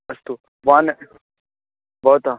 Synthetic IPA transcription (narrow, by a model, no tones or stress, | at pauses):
ɐst̪u | ʋaːn | bɔːt̪aː